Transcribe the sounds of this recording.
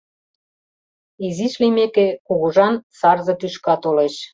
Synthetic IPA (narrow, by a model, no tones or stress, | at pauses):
iziʃlimekekuɣuʒɑnsɑrzɤ̆t̪yʃkɑt̪oleʃ